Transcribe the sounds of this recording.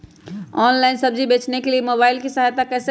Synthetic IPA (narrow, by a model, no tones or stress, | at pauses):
ɔːnlaɪnsəbd͡ʒʱibeːt͡ʃnekeliemobaːɪlkisaɦat̪akɛs